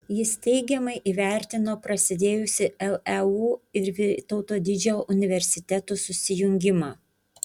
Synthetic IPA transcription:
jɪst̪ʲɛɪɡʲɛmɐɪʔiːʋʲæˑɾʲt̪ʲɪnoːpɾɐsʲɪd̪ʲeːjʊsʲɪɛlˠɛuːɪɾʋʲɪt̪ɒʊt̪oːd̪ʲɪd͡ʒʲoʔʊnʲɪʋʲɛɾʲsʲɪt̪ʲɛt̪ʊːsʊsʲɪjʊŋʲɡʲɪmɑː

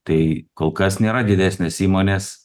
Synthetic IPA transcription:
t̪ɐɪkoːlˠkɐsnʲeːɾɐd̪ʲɪd̪ʲæːsʲnʲeːsiːmoːnʲeːs

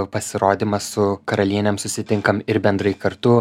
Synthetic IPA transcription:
pɐsʲɪɾoːd̪ʲiːmɐssʊkɐɾɐlʲiɛnʲɛmsʊsʲɪt̪ʲɪŋkɐmɪɾbʲɛnd̪ɾɐɪkɐɾt̪ʊ

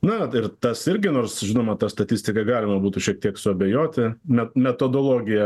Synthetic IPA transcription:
nʊɪrt̪ɐsɪɾʲɡʲɪnoːrsʒʲɪnoːmɐt̪ɐst̪ɐt̪ʲisʲt̪ʲɪkɐɡɑːlʲɪmɐbuːt̪ʊʃʲiɛk̚t̪ʲiɛksʊɐbʲɛjoːt̪ʲɪmʲɛmʲɛt̪oːd̪oːlˠoːɡʲɪjɛ

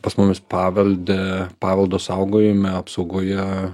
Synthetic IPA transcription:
pɐsmʊmʲɪspɑːʋʲɛlʲd̪ʲɛpɑːʋʲɛlˠd̪oːsɐʊɡoːjɪmʲɛɐpsɐʊɡoːjɛ

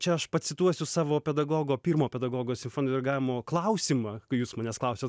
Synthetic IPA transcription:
t͡ʃʲɛɐʃpɐt̪sʲɪt̪uɔsʲʊsɑːʋoːpʲɛd̪ɐɡoːɡoːpʲiːɾmoːpʲɛd̪ɐɡoːɡoːsʲɪmʲfoːnʲod̪ʲɪɾɡɑʋʲmoːklˠɐʊsʲiːmɐkɐɪjuːsmɐːnʲɛːsklˠɐʊsʲoːt̪

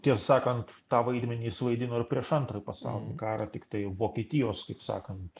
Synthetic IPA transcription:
t̪ʲiɛsɑːkɐnt̪t̪ɑːʋɐɪd̪ʲmʲɛnʲiːɪsʋɐɪd̪ʲɪnoːɪrpʲɾʲiɛʃɐnt̪ɾɐjpɐsɑ̰ʊlʲɪnʲkɑːɾɑt̪ʲɪkt̪ɐɪʋoːkʲiɛt̪ʲɪjoːskɐɪpsɑ̰ːkɐnt̪

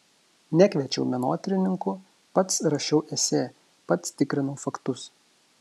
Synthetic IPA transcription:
nʲækʲʋʲɛt͡ʃʲɛ̰ʊmʲɛnoːt̪ʲɾʲɪnʲɪŋkʊ | pɐt̪sɾɐʃʲɛʊʔɛsʲeː | pɐt̪st̪ʲɪkɾʲɪnɔʊfɐkt̪ʊs

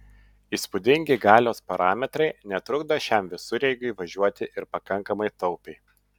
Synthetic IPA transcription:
iːspʊd̪ʲɪŋʲɡʲɪɡɑːlʲoːspɐɾʔɑːmʲɛt̪ɾɐɪnʲɛt̪ɾʊɡd̪ɐʃʲɛmʋʲɪsʊɾʲɛɪɡʊiʋɐʒʲuɔt̪ʲɪʔɪɾpɐkɐŋˑkɐmɐɪt̪ɒʊpʲɛɪ

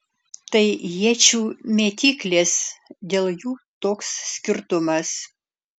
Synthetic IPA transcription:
t̪ɐɪjiɛt͡ʃʲuːmʲeːt̪ʲiːklʲeːsd̪ʲeːlˠjuːt̪oːkssʲkʲɪɾt̪ʊmɐs

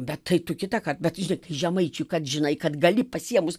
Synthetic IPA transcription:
bʲɛttɐɪt̪ʊkʲɪt̪ɐkɐt̚bʲɛt̪ʒʲɪnɐɪkɐɪʒʲɛmɐɪt͡ʃʲʊjkɐt̪ʒʲɪnɐɪkɐt̪ɡɐlʲɪpɐsʲiɛmʊs

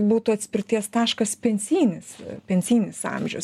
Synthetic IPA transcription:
buːt̪ʊɐt̪ʲsʲpʲɪrʲt̪ʲiɛst̪ɑːʃkɐspʲɛnʲsʲiːnʲɪspʲɛnʲsʲiːnʲɪsɑ̰mʲʒʲɛʊs

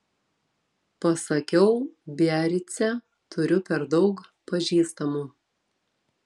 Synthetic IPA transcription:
pɐsɐkʲɛʊbʲæːɾʲɪt̪sʲɛ | t̪ʰʊɾʲʊpʲɛɾd̪ɒʊkpɐʒʲiːst̪ɐmuː

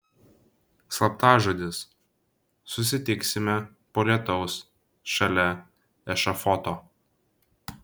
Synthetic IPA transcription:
slˠɐp̚t̪ɑːʒoːd̪ʲɪs | sʊsʲɪt̪ʲɪksʲɪmʲɛ | poːlʲiɛt̪ɒʊs | ʃɐlʲɛ | ɛʃɐfɔt̪oː

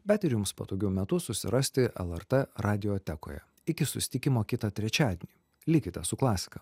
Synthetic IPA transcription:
bʲɛt̪ɪɾjʊmspo̰t̪oːɡʲɛʊmʲɛt̪ʊsʊsʲɪ̰ɾʔɐsʲt̪ʲɪʔɛ̰lˠɛɾt̪ɛɾʔɑːd̪ʲɪjoːt̪ʲɛko̰ːjɛ̰ | ɪkʲɪsʊsʲɪ̥t̪ʲɪkʲɪmoːkʲɪt̪ɐt̪ʲɾʲɛt͡ʃʲæːd̪ʲenʲiː | lʲɪkʲɪt̪ʲɛsʊklˠɑːsʲɪ̥kɐ

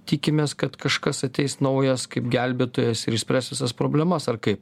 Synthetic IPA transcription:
t̪ʲiːkʲɪmʲeːskɐt̪kɐʃkɐsɐt̪ʲɛɪsnɐʊjɛskɐɪpɡʲæˑlʲbʲeːt̪oːjɛsɪɾɪʃsʲpʲɾʲæːst̪ʋʲɪsɐspɾoːbʲlʲɛmɐsɐrkɐɪp

